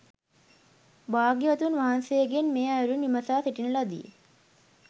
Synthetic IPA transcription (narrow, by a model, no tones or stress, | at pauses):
baːɡjiʋɐt̪unʋaɦansejəɡenmeːajɾuniməsaːsiʈinəlad̪ḭjḛ